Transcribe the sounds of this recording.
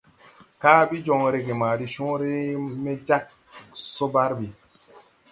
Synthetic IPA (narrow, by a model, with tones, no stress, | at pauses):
kaː˦bi˦d͡ʒo˨ŋɾe˨ɡe˨maː˨di˦ʃõ˦ɾe˦me˦d͡ʒa˦k̚ | so˦ba˦ɾbi˨